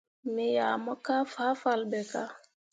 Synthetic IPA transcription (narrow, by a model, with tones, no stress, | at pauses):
mi˦ja˨mɔ˦ka˦fa˦falbɛ˨ka˦